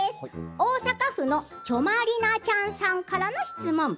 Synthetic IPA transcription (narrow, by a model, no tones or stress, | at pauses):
esɨ̥oːsakaɸɯ̟no̞t͡ɕo̞maɾʲinat͡ɕãɰ̃sãŋkaɾano̞ɕi̥t͡sɨmõ̞ŋ